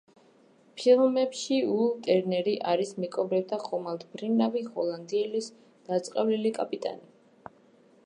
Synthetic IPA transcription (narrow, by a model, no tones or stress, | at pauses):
pʰilˠmɛpʃiulˠt̪ʼɛɾnɛɾiʔaɾismikʼɔbɾɛt̪ʰaχɔmald̪bɾinavihɔlˠand̪iɛlis | d̪̥at̪sʼqʼɛvlilikʼapʼit̪ʼa̰ni